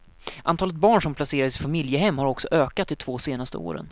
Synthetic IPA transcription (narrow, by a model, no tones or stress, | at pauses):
ʔant̪ɑːlət̪̚bɑːɳʂɔmpʰlaseːɾaɾɪsɪnfamɪljəɦɛmːhaɾɔksɔʔøːkat̪̚d̪ɛt̪ʰv̥oːseːnast̪ə̰o̰ːɾə̰n